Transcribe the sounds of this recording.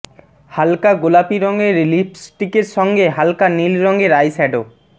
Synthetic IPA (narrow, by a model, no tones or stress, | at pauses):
halkaɡolapiɾɔŋɡeɾlipʰsʈikeɾʃɔŋɡeɦalkanilɾɔŋɡeɾajsɛɖo